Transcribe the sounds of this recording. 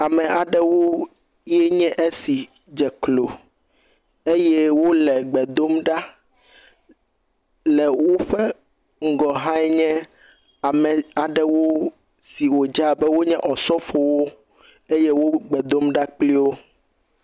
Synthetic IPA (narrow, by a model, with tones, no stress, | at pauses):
a˨mɛ̃˨a˨ɖɛ˦wo˦ | jɛ˦ɲɛ̃˦ʔe˦si˨ | d͡ʒɛ˨klo˨ | e˦jɛ˦wo˦lɛ˨ɡ͡bɛ˨d̪o˦mɖa˦ | lɛ˨wo˦ɸɛ˦ | ŋ̩˦ɡɔ˨ɦã˦ɛ˦ɲɛ̃˦ | a˨mɛ̃˨a˨ɖɛ˦wo˦ | si˨wo˨d͡ʒa˨bɛ˦wo˦ɲɛ̃˦ʔɔ˨sɔ˦fɔ˨wo˦ | e˦jɛ˦wo˦ɡ͡bɛ˨d̪o˦mɖa˦k͡pli˦wo˦